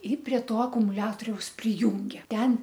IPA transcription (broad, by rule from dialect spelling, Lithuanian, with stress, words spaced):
ˈɪ pʲrʲiɛ ˈtoː ɐkʊmʊˈlʲæːtoːrʲɛʊs pʲrʲɪˈjuːŋʲɡʲeː ˈtʲɛn